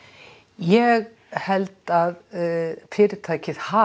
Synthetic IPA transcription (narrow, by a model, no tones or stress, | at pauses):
jɛɣ | hɛlt̪aðpʰɪːɾɪt̪ʰajkʰɪðha